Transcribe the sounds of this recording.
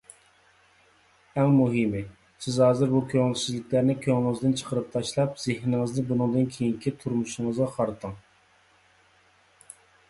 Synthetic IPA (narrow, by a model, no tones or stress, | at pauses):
æŋmuɦɨmɪ | sɪzhɑːzɨɾbukʲʰøŋɪlsɪzlɪkʲlæɾnɪkʲʰøŋɪlˠɪŋɨzd̪ɨnt͡ʃʰə̥qʰəɾɨp̚t̪ʰɑʃlˠɑpz̥ehɾɪŋɨznɪbunɨŋd̪ɨnkʲʰejiŋkʲʰit̪ʰuɾmuʃŋəzʁɑqʰɑɾɨt̪ʰɨŋ